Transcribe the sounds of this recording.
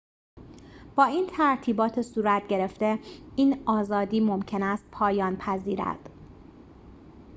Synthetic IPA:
b̥ɒːiːnt̪ʰæɾt̪ʰiːbɒːt̪ʰesuːɾæt̪̚ʰɟe̞ɾe̞ft̪e̞iːnɒːzɒːd̪iːmo̞mcʰe̞næst̪̚pʰɒːjɒːnpʰæziːɾæ̰d̪̥

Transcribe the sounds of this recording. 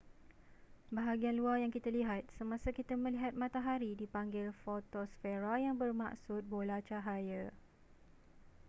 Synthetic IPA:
baɦaɡianluarjaŋkit̪aliɦat̪̚səmãsakit̪amə̃liɦat̪̚mãt̪aɦaɾidipaŋɡɪlfot̪osfeɾajaŋbərma̰ʔsʊt̪̚bolat͡ʃaɦajə

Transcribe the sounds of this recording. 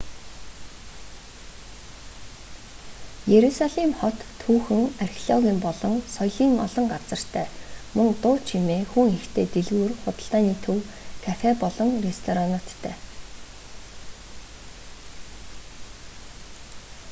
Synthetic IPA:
jeɾusaɮimχɔt̪ʰːuːxɘ̆ŋarxʲiɮɔɣʲiːmpɔɮɞ̆ŋsɔjɮiːŋɔ̰ɮɞ̆ŋɢat͡sə̆r̥t̪ʰæːmɵŋt̪ʊːt͡ɕʰimeːxuŋext̪ʰeːt̪eɮɣuːrχʊt̪ə̥̆ɬt̪aːniːt̪ʰɵwkʰætæːpɔɮɞ̆ŋrest̪ʰɔɾanɔ̆t̪ʰːæ̰ː

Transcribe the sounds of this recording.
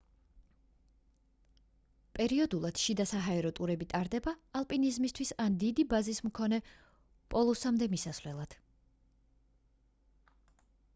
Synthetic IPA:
pʼɛɾiɔd̪ulˠad̪̥ʃid̪asaɦaɛɾɔt̪ʼuɾɛbit̪ʼaɾd̪ɛbaːlˠpʼinizmist̪ʰwisand̪id̪ibazismkʰɔnɛ | pʼɔlˠusamd̪ɛmisasvlɛlˠad̪̥

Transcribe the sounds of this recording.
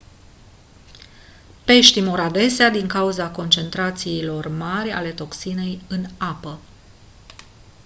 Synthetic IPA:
pe̞ʃt̪imoɾad̪e̞sead̪iŋkauzako̞nt͡ʃe̞nt̪ɾat̪siːlo̞rmarʲa̰le̞t̪o̞ksine̞jɨnapə

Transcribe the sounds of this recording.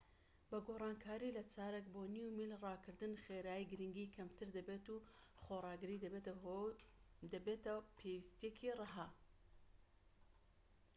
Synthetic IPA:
bɐɡoːrˤɑːnkʰaːɾilɐt͡ʃaːɾekboːnjuwmilrɑːkʰɨɾd̪ɨnχeɾaːjjɡɨɾiŋɡiːkʰɐmt̪ʰɨɾd̪ɐbeːt̪uːχorˤɑːɡɨɾid̪ɐbet̪ɦo | d̪ɐbet̪ɐpʰewist̪jekʰirˤɨɦa

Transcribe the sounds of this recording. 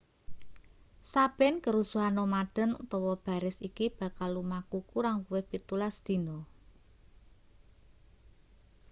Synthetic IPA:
sab̥ɪnkəɾusuɦanɔmaɖ̥ə̤nt̪ɔwɔb̥a̤ɾɪsikib̥ä̤kalumakukuɾaŋkuwɪhbit̪ulasd̪̥i̤nɔ

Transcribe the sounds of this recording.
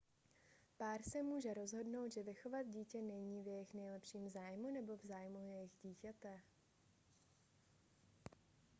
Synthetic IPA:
paːɾsɛmuːʒɛɾo̞zɦo̞dno̞wt̪ʒɛvɪxo̞vad̪ɟiːcɛnɛɲiːvjɛjɪxnɛjlɛpʃiːmzaːjmunɛbo̞vzaːjmujɛjɪɣɟiːcɛt̪ɛ

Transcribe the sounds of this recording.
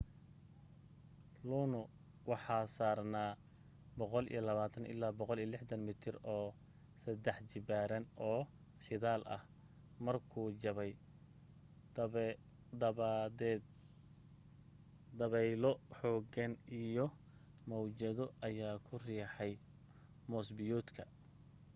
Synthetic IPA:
lɔnʊ | wɑħɑːsaːrnaː | bɔqɔlḭjɔlɐβaːt̪ʰɐnʔɪ̰lːaːbɔqɔlijɔlɪħd̪ɐnmɪt̪ʰɪrɔː | sɐd̪ɛħt͡ʃɪbaːɾɐnɔː | ʃɪðaːlʔɐ̰h | mɐrkʰuːd͡ʒɐβɛj | d̪ɐdɛ | d̪ɐβɛjlɔħɔːɡɐnijɔ | mɔwt͡ʃɐðɔɐjaːkʰʊriːħɛj | mɔːsbɪjɔːt̪kʰɐ

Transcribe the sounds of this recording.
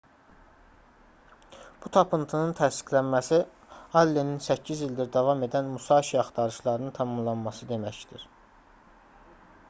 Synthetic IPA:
b̥ut̪ʰɑpɯnt̪ʰɯnɯnt̪ʰæsi̥kʰlænmæsi | ɑlːeninsæcʰːizild̪iɾd̪ɑvɑme̞d̪ænmusɑʃiɑχt̪ɑɾɯʃlˠɑɾɯnɯnt̪ʰɑmɑmlˠɑnmɑsɯd̪e̞mæçd̪̥iɾ̥

